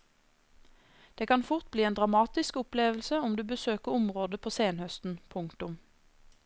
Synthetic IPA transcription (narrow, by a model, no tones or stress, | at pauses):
d̪̥eːkɑnfʊʁt̪̚bliːeːnd̪ʁɑmɑːt̪ɪskʊpleːʋl̩səʊmd̪ʉːbəsøːkəʊmʁoːd̪əpʰoːseːnhœst̪n̩pʰʊŋkt̪ʊm